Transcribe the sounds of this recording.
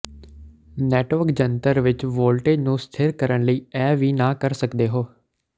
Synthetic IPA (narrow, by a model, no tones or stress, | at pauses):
nɛːʈʋəɾkd͡ʒənt̪əɾʋɪt͡ʃʋoːlʈeːd͡ʒnũːst̪ʰɪɾkəɾəɳ̃ləiːɛːʋiːnãːkəɾsəkd̪eːɦoː